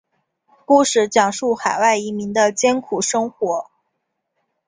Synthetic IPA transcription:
ku˥˧˩ʂɻ̩˥˩t͡ɕjɑ˨˩ŋʂu˥˩xa˨˩ɪwa˥˩ɪi˧˥mi˧˥ŋd̪ə˧t͡ɕjɛ˥nkʰu˨˩ʂɤ˥ŋxwɔ˧˥

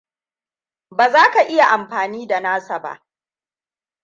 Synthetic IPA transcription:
baː˨zaː˦ka˨ʔɪ˦ja˨ʔa˨mɸaː˨niː˦da˨naː˦sa˨ba̰˦ʔ

